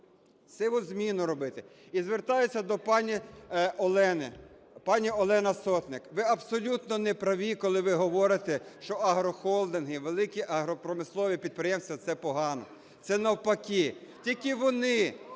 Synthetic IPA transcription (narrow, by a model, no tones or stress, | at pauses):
sɛʋɔzmʲinʊɾɔbɪt̪ɪ | izʋert̪ɑjet͡sʲːɐd̪ɔpɑnʲi | ɛnɪ | pɑnʲiɔlˠɛnɐsɔt̪nɪkʋɪɐbsɔlʲut̪nɔnɛpɾɐʋʲikɔlˠɪʋɪɦɔʋɔɾɪt̪eʃt͡ʃɔɐɦɾɔxɔlˠd̪ɪnɦɪʋelˠɪkʲiʔɐɦɾɔpɾɔmɪslˠɔʋʲipʲid̪̚pɾɪjɛmsʲt̪ʋʲɐt̪sɛpɔɦɑnɔ̰ | tsɛnɐwpɐkʲitʲilʲkɪʋɔnɪ